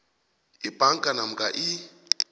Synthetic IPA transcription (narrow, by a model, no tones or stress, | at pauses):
ibʱʼaŋ̩kʼanam̩kʼaʔɪ